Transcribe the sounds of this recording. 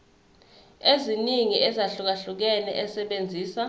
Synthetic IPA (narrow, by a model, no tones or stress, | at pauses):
eziniŋiʔɛzaɬuk̬aɬuk̬ɛnɛ̰ʔɛsɛɓend͡zʱiːsa